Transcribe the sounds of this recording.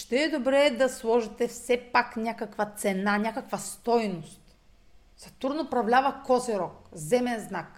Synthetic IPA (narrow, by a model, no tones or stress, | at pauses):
ʃt̪ɛːd̪obɾɛd̪ɐslˠɔʒit̪ɛfsɛpaknʲakɐkvat̪sɛnanʲakɐkvɐst̪ɔjnost̪ | sɛft̪uɾnoːpɾɐvlʲavɐkɔsiɾɔkzɛmɛnznak